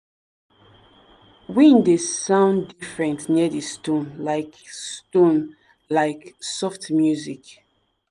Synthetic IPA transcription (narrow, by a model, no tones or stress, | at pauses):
wĩndesãʊ̃ndifɹɛ̃ntnidistɔ̃nlaɪkstɔ̃n | laɪksɔftmjuzik